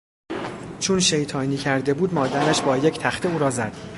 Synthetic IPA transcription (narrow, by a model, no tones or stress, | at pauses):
t͡ʃʰonʃejt̪ʰɒːniːcʰæɾd̪e̞buːd̪mɒːd̪ænæʃbɒːjecʰt̪ʰæxt̪ʰeuːɾɒːzæd̪̥